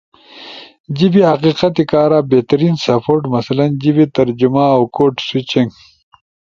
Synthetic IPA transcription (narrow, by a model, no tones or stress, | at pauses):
d͡ʑibiɐqiqat̪ikaːɾaːbet̪ɐɾiːnsɐpʰoːɾʈmɐsɐlɐnd͡ʑibit̪ɐɾd͡ʒumaːwkoːʈswit͡ɕiŋɡ